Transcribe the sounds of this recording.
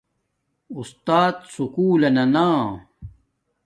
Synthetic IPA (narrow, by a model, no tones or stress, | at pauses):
ust̪aːt̪sukuːlɐnɐnãː